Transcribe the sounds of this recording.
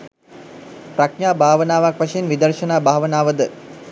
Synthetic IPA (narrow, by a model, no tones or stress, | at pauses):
pɾakɲaːbʱaːʋənaːʋakʋaʃejenʋid̪ərʃənaːbʱaːʋənaːʋəd̪ə